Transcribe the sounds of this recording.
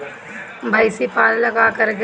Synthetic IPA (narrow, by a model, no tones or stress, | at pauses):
bʱaːisipaːllɐɡakəɾɡ